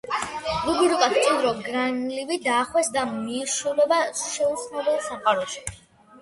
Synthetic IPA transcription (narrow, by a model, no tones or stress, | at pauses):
zubiɾuk̪ʼat̪ʰt͡ʃʼind̪ɾɔɡɾanlivid̪aːχwɛsd̪amiːʃulɛbaʃɛut̪sʰnabɛlˠsamχʼaɾɔʃi̥